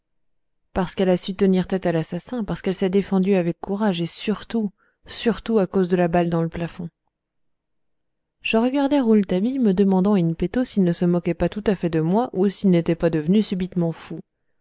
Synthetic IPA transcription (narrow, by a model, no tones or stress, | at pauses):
paʁsə̥kɛlasyt̪əniʁt̪ɛt̪alasasɛ̃paʁsə̥kɛlsɛd̪efɑ̃d̪yavɛkʰːuʁaʒesyʁt̪u | syʁt̪uakozd̪əlabald̪ɑ̃ləplafɔ̃ | ʒ̥əʁəɡaʁd̪ɛʁult̪abiməd̪əmɑ̃d̪ɑ̃aynpet̪osilnəsəmɔkʲɛpat̪ut̪afɛd̪əmwaʔusilnet̪ɛpad̪əvnysybit̪mɑ̃fu